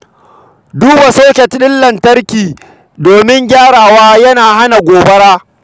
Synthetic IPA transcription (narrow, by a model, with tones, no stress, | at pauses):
duː˦ba˨soː˦kʲɛ˨tɗɪ˦lːɐ˨ntɐ˦ɾkʲiː˨ | doː˨mɪ˦ŋɡʲaː˦ɽaː˨waː˦jɐ˦naː˨ha˦na˨ɡʷoː˨bɐ˦ɽaː˦